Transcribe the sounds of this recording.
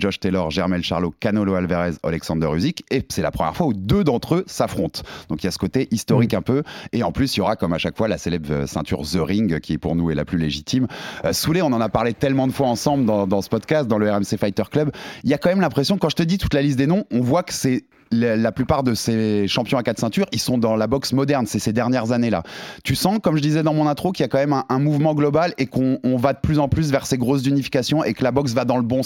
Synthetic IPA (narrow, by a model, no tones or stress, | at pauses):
ʒɔʒt̪elɔʁʒɛʁmɛlʃa̰ʁlokanɔloalveʁɛzɔ̰lɛksɑ̃d̪œʁyzikesɛla̰pχəmjɛʁfwaud̪ød̪ɑ̃t̪χøsafχɔ̃t̪d̪ɔ̃kiljasə̥kot̪eʔist̪ɔʁikɛ̃pøeɑ̃plysiljɔʁakɔmaʃakfwalaselɛbʁ̰sɛ̰̃t̪y̰ʁzøʁĩŋɡkʲiɛpuʁnuɛla̰plyleʒit̪ʰimsuleɔ̃nɑ̃napaʁlet̪ɛlmɑ̃d̪əfwaɑ̃sɑ̃bld̪ɑ̃d̪ɑ̃sə̥pɔd̪kast̪̚d̪ɑ̃ləɛʁɛmsefajt̪œʁklœbiljakɑ̃mɛmlɛ̃pχesjɔ̃kɑ̃ʒət̪əd̪it̪u̥t̪lalist̪̚d̪enɔ̃ɔ̃vwakə̥sɛ | llaplypaʁd̪əseʃɑ̃pjɔ̃akat̪sɛ̃t̪yʁilsɔ̃d̪ɑ̃labɔksmɔd̪ɛʁnsɛsed̪ɛʁnjɛʁzanela̰t̪ysɑ̃kɔmʒəd̪izɛd̪ɑ̃mɔ̃nɛ̃t̪χokiljakɑ̃mɛmɛ̃ʔɛ̃muvmɑ̃ɡlɔbalekɔ̃ːvad̪əplyzɑ̃plys̬vɛʁseɡʁos̬zynifi̥kasjɔ̃ʔekəlabɔks̬vad̪ɑ̃ləbɔ̃